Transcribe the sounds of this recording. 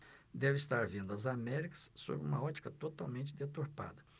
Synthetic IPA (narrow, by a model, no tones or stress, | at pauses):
d̪ɛvɪist̪aɾvĩnd̪ʊɐzamɛɾikɐ̥sːo̰bɾɪũmɐɔt͡ʃi̥kɐt̪ot̪awmẽnt͡ʃɪd̪et̪oɾpa̰d̪ɐ